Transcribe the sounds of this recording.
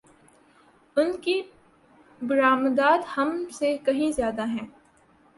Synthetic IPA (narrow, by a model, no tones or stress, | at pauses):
ʊnki | bʊɾaːmd̪aːt̪hɐmsekɐɦĩzjaːd̪aɦɛ̃ː